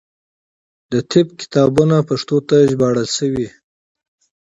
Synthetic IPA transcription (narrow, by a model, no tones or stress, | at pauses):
d̪ət̪ʰɪb̚kɪ̥t̪ɑbunapaʂt̪ot̪aʒbɑɽəlsəwi